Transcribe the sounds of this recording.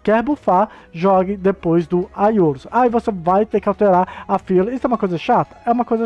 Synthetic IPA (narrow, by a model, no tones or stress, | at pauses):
kɛɾbufa | ʒɔɡɪd̪epojzd̪ʊajoɾsaivosevajt̪ekɪawt̪eɾaɾɐfilɐist̪ʊɛumɐkojzɐʃat̪ɐ̥ɛũmɐkojzɐ